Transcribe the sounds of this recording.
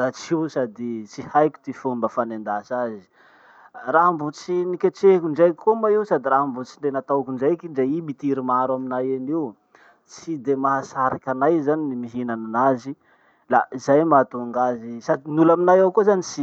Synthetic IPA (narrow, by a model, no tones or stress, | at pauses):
ɾat͡siwsad̪it͡sihajkʲu̥t̪ifumbəfanend̪asazi̥ | raɦmbut͡sinikʲeʈ͡ʂekʲuɳɖ͡ʐajkʲikomaiwsad̪iraɦmbut͡siɳɖ͡ʐenat̪awkuɳd͡ʒajkiɳɖ͡ʐaimit̪iɾimaɾaminajaniw | t͡sid̪emaɦasaɾakʲanajzaninimiɦinananazi | laizajmat̪uŋɡazisad̪inulaminajawkozanit͡si